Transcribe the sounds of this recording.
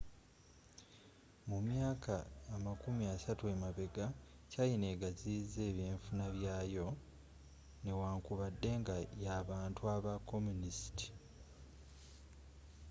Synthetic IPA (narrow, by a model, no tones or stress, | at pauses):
mumjaːkʰaːmakumiasatue̞maβe̞ɡacajine̞ɡaziːze̞ːβjeːɱfunaβjaːjo̞ | ne̞waːŋkuβadːe̞ŋɡajaβaːntuaβako̞munisi̥ti̥